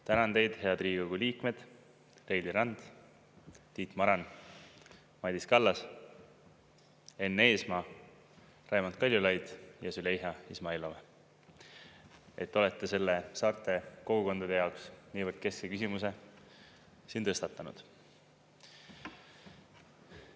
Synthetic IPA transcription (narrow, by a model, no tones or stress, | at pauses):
t̪ænɑnd̪e̞jd̪̥he̞ɑd̪riːɡoɡ̥uliːkme̞d̪̥ | le̞jdliɾɑnd̪̥ | t̪iːt̪ˑmɑɾɑn | mɑjd̪iskɑlːɑs | e̞nːeːsmɑː | rɑjmont̪̚kɑlʲjulɑjd̪̥jɑsylejɦɑismɑilove | e̞t̪ˑːo̞le̞t̪ˑːe̞se̞lːe̞sɑːrt̪ːˑe̞ko̞ɡ̥uko̞nd̪̥ɑd̪e̞jɑoksniːvərd̪̥ke̞skekysimuse̞ | siːnt̪ɤst̪ɑt̪ːˑɑnṵd̪̥